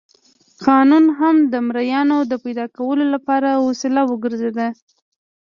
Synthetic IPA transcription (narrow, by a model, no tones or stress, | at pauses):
qɑnunɦamd̪əmɾajɑnod̪əpajd̪ɑkawəlolapɑɾawosɪlawəɡəɾzed̪a